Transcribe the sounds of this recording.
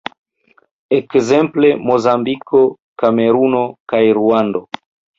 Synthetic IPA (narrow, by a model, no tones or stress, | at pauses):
ekzemplemozambikʰo | kameɾunokajɾuando